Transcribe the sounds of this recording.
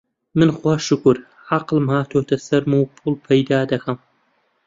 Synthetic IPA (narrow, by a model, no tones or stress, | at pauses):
mɨnxwaːʃʊkʊɾ | ʕaqlɨmhaːt̪ʰoːt̪ʰɐsɐɾmɨwpʰulˠpʰɐjd̪aːd̪ɐxɐm